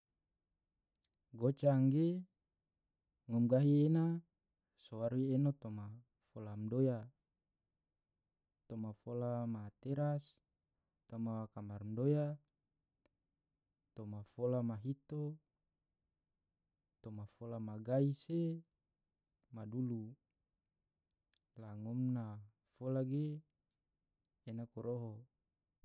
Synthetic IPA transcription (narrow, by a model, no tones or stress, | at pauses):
ɡot͡ʃaŋɡe | ŋɔmɡaɦiena | sowaɾienot̪oma | folamdoja | t̪omafolamat̪eɾas | t̪omawakamarmdoja | t̪omafolamaɦit̪o | t̪omafolamaɡaise | madulu | laŋɔmna | folaɡe | nakoɾoɦo